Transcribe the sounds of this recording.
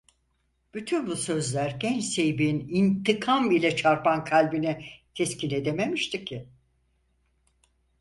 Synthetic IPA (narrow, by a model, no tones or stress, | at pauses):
b̥yt̪ʰynbusø̞zlʲæɾɟɛnt͡ʃse̞jbinint̪ʰikʰamilʲɛt͡ʃʰaɾpʰankʰalʲbinicʰɛscine̞d̪e̞me̞miʃt̪icʰːɪ